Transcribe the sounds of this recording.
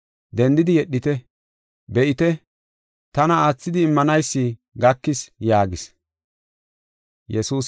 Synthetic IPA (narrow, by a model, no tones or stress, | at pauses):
d̪ɛnd̪ɪd̪ɪjɛɗːɪt̪ɛ | bɛʔɪt̪ɛ | t̪ɐnɐaːt͡sːɪd̪ɪːmːɐnɐjsːɪɡɐkːɪsjaːɡɪs | jɛsuːs